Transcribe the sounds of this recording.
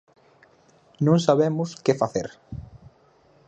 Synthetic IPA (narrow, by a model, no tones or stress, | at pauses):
nõŋsaβemʊskɪfaθḛɾ